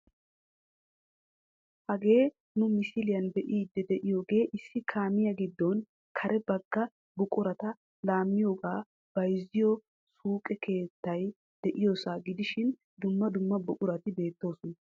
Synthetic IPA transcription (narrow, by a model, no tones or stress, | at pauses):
hɐɡe̞ː | nʊmɪsɪlɪjɐnbɛʔiːd̪ːɛd̪ɛʔɪjo̞ːɡe̞ːʔɪsːɪkʰaːmɪjɐɡɪd̪ːɔn | kʰɐɾʔɛbɐɡːɐ | bʊkʼʊɾɐt̪ɐ | laːmːɪjo̞ːɡaː | b̥ɐjzɪjɔ | suːkʼɛkʰe̞ːt̪ːɐj | d̪̥ɛʔɪjosaːɡɪd̪ɪʃɪn | d̪ʊmːɐd̪ʊmːɐbʊkʼʊɾɐt̪ɪbe̞ːt̪ːo̞ːsʊnɐ